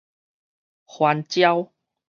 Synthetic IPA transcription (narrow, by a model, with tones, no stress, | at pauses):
hwa˧nt͡ɕja˦w